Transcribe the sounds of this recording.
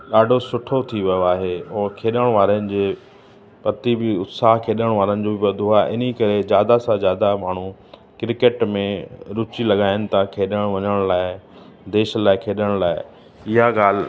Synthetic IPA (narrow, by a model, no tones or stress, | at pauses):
ɗaːɖʱosʊʈʰot̪ʰiʋɐjoaːɦeɔːkʰeːɗəɽ̃ʋaːɾənɪ̆d͡ʑeː | pɐt̪ibɪʊt̪saːɦkʰeːɗəɽ̃ʋaːɾənɪ̆d͡ʑoːbɪʋɐd̪ʱoɦaːʔɪnikɐɾed͡ʑjaːd̪asãd͡ʑjaːd̪amaːɳ̤u | kɪɾɪkeːʈmẽɾʊt͡ɕilɐɠaːɪnɪ̆t̪ʰakʰeːɗəɽ̃ʋɐɲəɽ̃laːɪd̪eːʃlaːɪkʰeːɗəɽ̃laːɪ | ɪɦaɠaːl̤